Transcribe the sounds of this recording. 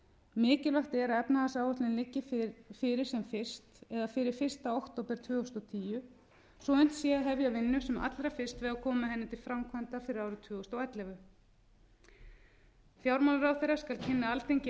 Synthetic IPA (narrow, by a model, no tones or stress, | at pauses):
mɪːcɪlaxt̪ɛɾaɛpnaθasaːwɔht̪lɪnlɪcːɪfɪɾɪɾ̥sɛmfɪr̥st̪ɛðafɪɾɪɾ̥fɪr̥st̪aowht̪owpɛɾ̥t̪ʰvʏːɔst̪ɔt̪ʰiːjʏ | sɔejn̥t̪sjɛaɦɛvjavɪnːʏsɛmʔa̰t̪lɾafɪr̥st̪vɛɣakʰɔːmaɦɛnːɪt̪ʰɪlfɾamkʰvant̪afɪɾɪɾaːwɾʏt̪ʰvʏːɣɔst̪awɛt̪lɛɣʏ | fjawɾmawlɾawθejɾːaskalcʰɪnːaalt̪ejɲcɪ